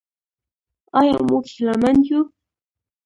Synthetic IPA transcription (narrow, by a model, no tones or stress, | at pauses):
ajaŋmʊkɪlamant͡ʃʊ